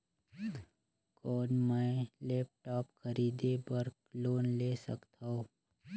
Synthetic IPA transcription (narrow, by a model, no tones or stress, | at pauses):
kɔːnməleːp̚ʈaːpkʰəɾiːd̪ebəɾkloːnleːsə̰kt̪aoː